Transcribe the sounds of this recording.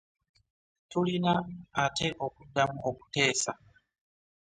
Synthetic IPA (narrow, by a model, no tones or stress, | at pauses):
tulinaːtʰe̞ʔo̞kudːamuʔo̞ku̥te̞ːsa